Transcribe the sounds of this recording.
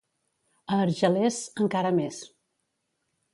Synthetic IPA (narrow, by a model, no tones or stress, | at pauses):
əːɾʒəlezəŋkaɾəmes